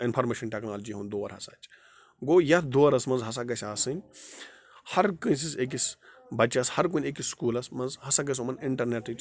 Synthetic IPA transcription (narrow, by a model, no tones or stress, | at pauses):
inpʰɐɾmeːʃɐnʈeːknaːlɐd͡ʒiɦund̪oːɐɾɦɐsaːt͡ʃʰ | ɡoːjɐt̪ʰd̪oːɐɾɐsmɐnzɦɐs̬aɡɐsʲaːsɨnʲ | hɐɾkɨnʲs̬isek̬is | bɐt͡ʃɐshɐɾkunʲeːkisskuːlɐsmɐnzhɐsaɡɐs̬umɐniɳʈɐɾneːʈɨt͡ʃ